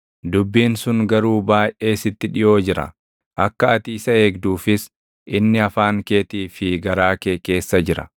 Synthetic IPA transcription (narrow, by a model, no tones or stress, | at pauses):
d̪ʊbːiːnsʊŋɡɐɾuːbaːjʔʔe̞ːsɪt̪ːɪᶑɪjo̞ːd͡ʒɪɾɐ̰ | ʔɐkːɐɐt̪iːsɐeːɡd̪uːfɪs | ʔɪnːɪɐfaːŋkeːt̪iːfɪɡɐɾaːke̞ːke̞ːsːɐd͡ʒɪɾɐ̰